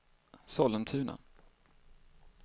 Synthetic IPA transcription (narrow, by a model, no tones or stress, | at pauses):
sɔlːənt̪ʰʉ̟ːnʔa̰